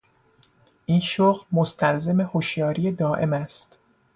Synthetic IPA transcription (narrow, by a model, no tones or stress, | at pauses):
ʔinʃoɣlmost̪ʰælze̞me̞hoʃjɒːɾiːed̪ɒːʔe̞̰mæst̪